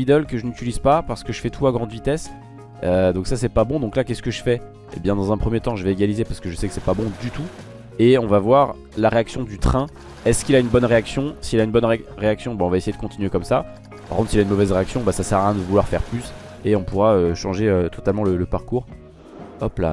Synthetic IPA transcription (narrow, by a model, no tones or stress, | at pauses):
id̪ɔlkəʒənyt̪ylizpapaʁsə̥kəʒəfɛt̪ʰuaɡʁɑ̃d̪əvit̪ɛs | ød̪ɔ̃ksasɛpabɔ̃d̪ɔ̃klakʲɛsə̥kəʒəfɛ | ḛbjɛ̃d̪ɑ̃zɛ̃pχəmjet̪ɑ̃ʒəvɛeɡʲalizepaʁsə̥kəʒəsɛkə̥sɛpabɔ̃d̪yt̪u | eɔ̃vavwaʁ | laʁeaksjɔ̃d̪yt̪χɛ̃ | ɛskʲilaynbɔnʁeaksjɔ̃siːlaynbɔnʁeaksjɔ̃baɔ̃vaesejed̪əkɔ̃t̪inɥekɔmsa | pa̰ʁkɔ̃t̪silaynmɔvɛzʁeaksjɔ̃basasɛʁaɛ̃d̪əvulwaʁfɛ̰ʁplys | eɔ̃puʁaøʃɑ̃ʒeøt̪ɔt̪almɑ̃lələpaʁkuːʁ | ɔpla̰